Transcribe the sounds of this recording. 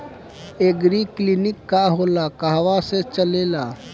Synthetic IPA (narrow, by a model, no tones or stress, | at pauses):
eɡɾiklinɪkːaɦolakaɦʋaset͡ʃəleːlaː